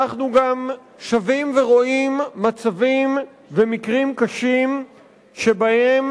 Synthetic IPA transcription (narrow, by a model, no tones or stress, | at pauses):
aχnuɡam | ʃavimve̞ʁo̞imːat͡savim | vemikʁimkaʃim | ʃe̞bahe̞m